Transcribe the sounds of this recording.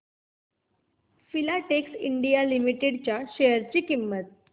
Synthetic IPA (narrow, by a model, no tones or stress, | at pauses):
filaʈeksiɳɖijalimiʈeɽt͡ɕjaɕejəɾt͡ɕiːkimːət̪̚